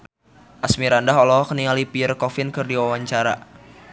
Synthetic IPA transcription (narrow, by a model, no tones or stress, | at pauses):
ʔasmiɾandaɦɔlɔɦɔkəniŋalipiərkɔfɪnkɨrdiwawaɲt͡ʃaɾa̰